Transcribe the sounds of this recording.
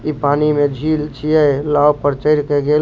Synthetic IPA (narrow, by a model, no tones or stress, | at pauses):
ipanimed͡ʒʱilt͡ʃʰijəlawpəɾt͡ʃəɪɾkeɡe